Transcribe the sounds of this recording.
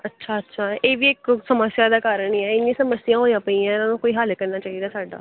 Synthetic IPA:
ətːʃʰaːətːʃʰaːʔeːʋiːɪksəməsjaːd̪aːkaːɾəɳiɛɪnːĩːsəməsɪjãːɦoːiãːpəiːɛ̃ːnãːnũːkoːiːɦəlkəɾnaːt͡ʃaːɦid̪aːsaːɖa̰ː

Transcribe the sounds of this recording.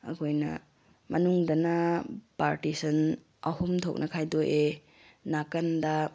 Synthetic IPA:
ɐ̰kʰojnɐ̰ | mɐnuŋdɐnɐpaɾtisɐn | ɐhumtʰok̚nʔɐkʰajdoʔe | nakɐndɐ

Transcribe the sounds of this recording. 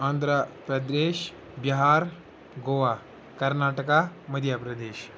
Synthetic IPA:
ãnd̪ɾapɐd̪ɾeːʃ | biɦaːɾ | ɡoːʋa | kɐɾnaːʈəkamɐd̪ʱjapɾɐd̪eːʃ

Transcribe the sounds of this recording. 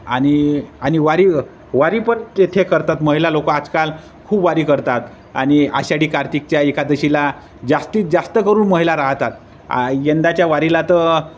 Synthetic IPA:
a̰ñiañiʋaɾi | ʋaɾiːpəɳt̪et̪ʰekəɾt̪at̪məɦilalokəad͡zkal | kʰuːbʋaɾiːkəɾt̪at̪ | a̰ɽ̃ia̰ɕaɽiːkaɾt̪ik̚t͡ɕjaekad̪əɕila | d͡zast̪iːt̪d͡zast̪əkəɾuːnməɦilaɾaɦt̪at̪ | jend̪at͡ɕjaʋaɾilat̪ə

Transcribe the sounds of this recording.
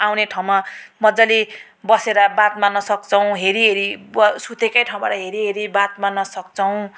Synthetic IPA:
awneʈʰaw̃mamʌd͡zʌli | bʌseɾʌbat̪̚manʌsʌk̚t͡sʌw̃ɦeɾiɦeɾibʌsut̪ʰekajʈʰaw̃baɾʌɦeɾiɦeɾibat̪manʌsʌk̚t͡sʌw̃

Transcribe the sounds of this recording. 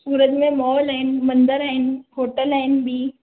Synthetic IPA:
suːɾət̪mẽmɔːɔlaɦɪnmɐ̃nd̪əɾaɦɪnɦoːʈəlaɦɪnbiː

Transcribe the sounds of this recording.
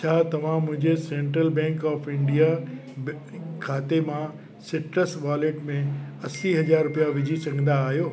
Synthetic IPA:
t͡ɕʰaːt̪ɐʋ̤ãmʊ̃ɦɪ̃ɲd͡ʑesẽːɳʈɾəlbɛ̃ːŋkɔːfɪ̃ɳɖija | kʰaːt̪emã | sɪʈɾəsʋaːleːʈmẽɐsiɦɐd͡ʑaːɾɾʊpijaʋɪd͡ʑʱisɐɡʱə̃nd̪aːɦijoː

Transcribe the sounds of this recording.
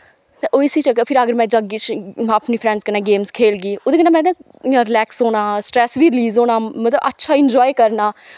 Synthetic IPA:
t̪eːʔoːɪsiːt͡ʃəɡepʰɪɾəɡəɾmɛ̃ːd͡ʒəɡiːt͡ʃaːpniːpʰɾɛ̃ːɳzkənɛ̃ːɡeːmzkʰeːlɡiːoːd̪eːkənaːmɛ̃ːd̪ẽː | ɪãːɾɪlɛːksɦoːnaːsʈɾɛːsʋiːɾɪliːzoːnaːmət̪ləbʔətːʃʰaːɪnd͡ʒɔːikəɾnaː

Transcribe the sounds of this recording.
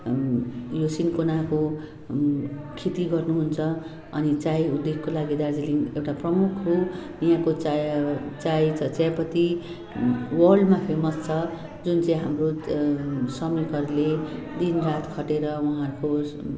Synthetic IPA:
josinkonako | kʰit̪iɡʌrnuɦunt͡sʰʌ | ʌnit͡sajud̪ːekkolaɡid̪ad͡ziliŋewʈaprʌmukʰrunjãkot͡s | t͡sajt͡sʰʌt͡sjajpʌt̪i | wʌrɖmapʰemʌst͡sʰʌ | d͡zunt͡sãĩɦamro | sʌmnikʌɾle | d̪inrat̪ʰkʰʌʈeɾʌwʌɦãɾuko

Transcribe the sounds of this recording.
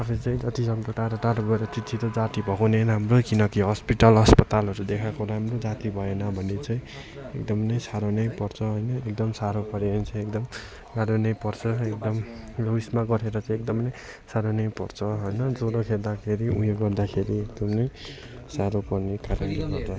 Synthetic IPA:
ʌpʰit͡sãĩd͡zat̪isʌŋd̪oʈaɾʌʈaɾbʱʌeɾʌt͡sit̪sʰit̪ʌd͡zat̪ibʱʌkanenamrokinʌkiɦʌspiʈʌlʌspʌt̪alɦʌɾud̪ekʰakoɾaamrod͡zat̪ibʱʌenʌbʱʌnːet͡sãĩ | ek̚d̪ʌmnʌjsaɾonʌjpʌrt͡sʰʌɦʌjnʌek̚d̪ʌmsaɾopʌɾeont͡sʰʌekd̪ʌm | ɡaɾunʌjpʌrt͡sʰʌek̚d̪ʌmloismaɡʌɾeɾʌt͡saĩek̚d̪ʌmnʌj | saɾonʌjpʌrt͡sʰʌɦojnʌd͡zoɾokʰeld̪akʰeɾiujoɡʌrd̪akʰeɾiek̚d̪ʌmnʌj | saɾopʌrnekaɾʌnɡiɡʌ̰rt͡sʰʌ

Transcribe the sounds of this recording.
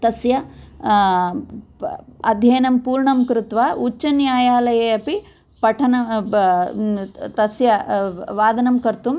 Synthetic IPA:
t̪ɐsjɐ | ɐd̪ʱjɐːnɐmpuːɾɳɐmkɾut̪ʋaːut͡ʃːɐnjaːjaːlɐjeɐpi | pɐʈʰɐnɐ | t̪ɐsjɐʋaːd̪ɐnɐmkɐɾt̪um

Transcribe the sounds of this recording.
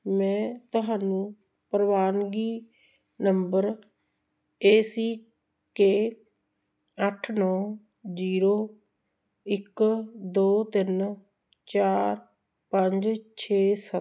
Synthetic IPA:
mɛ̃ːt̪ʊɦaːnũː | pəɾəʋaːnɡiː | nəmbəɾ | eːsiː | keː | əʈʰnɔː | ziːɾoː | ɪkd̪oːt̪ɪn | t͡ʃaːɾ | pəɲd͡ʒt͡ʃʰeːsə

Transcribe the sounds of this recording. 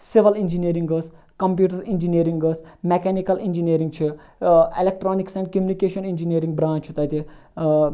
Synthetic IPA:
siʋɐlind͡ʒiniːɾĩŋɡəs | kɐmpjuːʈɐɾind͡ʒiniːɾiŋɡəsmekɛːnikɐlind͡ʒiniːɾĩŋɡ̚t͡ʃʰi | elek̚ʈɾoːniksɛ̃ɳɖkɐmunikeːʃɐnind͡ʒiniːɾĩŋɡbɾãːnt͡ʃʰut̪ɐt̪i

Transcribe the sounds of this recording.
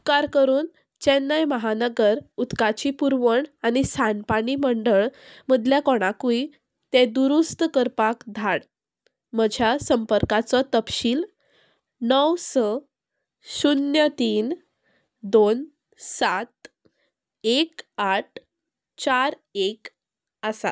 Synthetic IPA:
ukaɾkəɾuːn | t͡ɕɛnːəjməɦanəɡəɾut̪kat͡ɕipuɾʋəɳañisanpaɽiməɳɖəɭməd̪ʱljakɔɽ̃akui | t̪ed̪uɾust̪kəɾpakd̪ʱaɽ | məd͡ʑʱjasəmpəɾkat͡sɔt̪əpɕiːl | nəwsə | sunjət̪iːn | d̪on | sat̪ | ekaʈ̚ʰ | t͡ɕaɾ | ek | əsa̰

